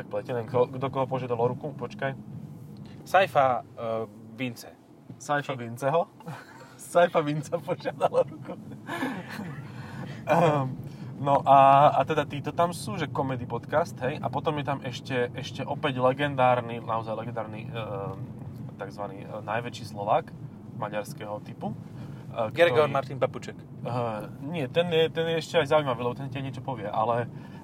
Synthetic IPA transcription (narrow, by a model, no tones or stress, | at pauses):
t̪ak̚plɛcɛlɛnɔɡd̪ɔkɔɦɔpɔʒɪad̪alɔɾukupɔt͡ʃkaj | sajfa | ʋint͡sɛ̰ | sajfaʋint͡sɛɦɔ | sajfaʋint͡sapɔʒɪad̪alɔɾuku | nɔʔaat̪ɛd̪at̪iːt̪ɔt̪amsuːʒɛkɔmɛd̪ipɔt̪kast̪ɦɛjʔa̰pɔt̪ɔmjɛt̪amɛʃcɛʔɛʃcɛʔɔpɛɟlɛɡɛnd̪aːɾninaɔzajlɛɡɛnd̪aːɾnḭ | t̪aɡzʋanḭːnajʋɛt͡ʃiːslɔʋaːk | maɲaɾskɛɦɔt̪ipu | kɡɛɾɔɡɔnmaɾt̪inpaput͡ʃɛk | əɲɪɛt̪ɛnjɛt̪ɛnjɛɛʃcɛajzaʊuimaʋiːlɛbɔt̪ɛnscajɲɪɛt͡ʃɔpɔʋɪɛʔa̰lɛ